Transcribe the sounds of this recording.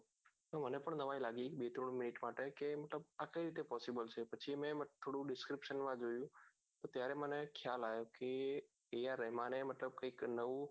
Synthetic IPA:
əmənẽpəɳ̃nəʋaːilaːɡikɓeːt̪ɾoɽ̃mɪnɪʈmaːʈekemɐt̪ləbaːkʰeɾiːt̪epɔːsɪbəlt͡ɕʰepɐt͡ʃʰimɛ̃mt̪ʰːoːɽũɖɪskɾɪpʃənmãd͡ʒoːjũ | t̪oːt̪jaːɾemənẽkʰjaːlaːjoke | jaɾəɦmãnemɐt̪ləb̚kɐiknɐʋu

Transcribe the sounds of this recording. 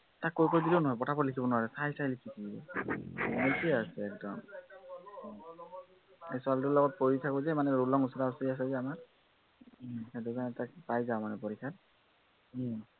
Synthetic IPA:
takːojkɔɹdilɛwnɔɦɔjpɔtapɔlikʰibɔnʊwaɹɛsaisajlikʰitʰiɛ | ajtɛasɛːk̚dɔ̰m | aisualitulɔɡɔt̚poɹitʰakuzɛmanɛɹulɔŋusɔɾausiiasɛzɛamaɹ | hɛdukanɛtak̚pajzamanɛpɔɹikʰat

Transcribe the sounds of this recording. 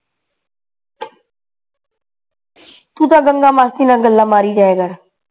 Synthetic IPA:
t̪uːt̪aːɡəŋɡaːmaːst̪iːnãːɡəlːaːmaːɾiːd͡ʒaːeːɡaː

